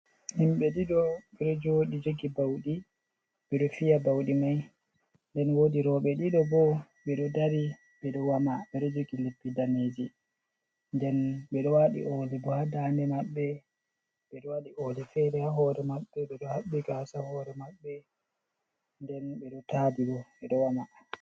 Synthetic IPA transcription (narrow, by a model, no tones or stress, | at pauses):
himɓɛɗiɗɔɓɛɗɔd͡ʒoɗid͡ʒoɡibawɗi | ɓɛɗɔfijabawɗimaj | ndɛnwodiɾɔɓɛɗiɗɔbɔ | ɓɛɗɔdaɾi | ɓɛɗɔwamaɓɛɗɔd͡ʒoɡilepːidaned͡ʒi | ndɛnɓɛɗɔwaɗḭʔɔlɛbɔhadandɛmaɓːɛ | ɓɛɗɔwaɗiʔɔlɛfɛdɛhaɦɔɾɛmaɓːɛɓɛɗɔhaɓːiɡasahɔɾɛmaɓːɛ | ndɛnbɛɗɔtabiɡɔɓɛɗɔwama